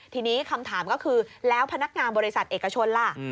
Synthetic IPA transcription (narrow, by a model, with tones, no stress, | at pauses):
t̪ʰiː˧niː˦˥kʰa˧mt̪ʰaː˩˦mkɔ˥˩kʰɯː˧lɛː˦˥wpʰa˧na˦˥k̚ŋaː˧nbɔː˧ɾi˦˥sa˨˩t̪̚ʔeː˨˩kːa˧t͡ɕʰo˧nla˧˩